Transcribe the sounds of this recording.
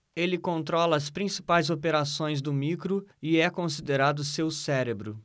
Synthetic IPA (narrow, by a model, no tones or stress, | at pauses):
elɪkõnt̪ɾɔlɐːspɾĩsi̥pajzopeɾasõj̃zd̪ʊmikɾʊɪɛkõsid̪eɾad̪ʊsewsɛɾebɾʊ